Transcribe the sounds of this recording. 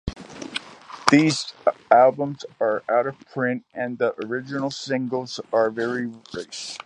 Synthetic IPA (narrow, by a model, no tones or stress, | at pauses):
ðizælˠbə̃mzə˞ʔaʊɾʌv̥pʰɹ̥ɪ̃ntɨ̃nðiʔə˞ɪd͡ʒɨnl̩ˠsɪ̃ŋɡl̩ˠzə˞vɛɹiɹeɪs